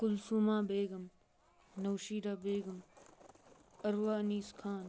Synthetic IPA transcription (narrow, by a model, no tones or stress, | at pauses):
kʊlsuːmaːbeːɡɐm | nɐwʃiːɾaːbeːɡɐm | ɐɾʋaːniːskʰaːn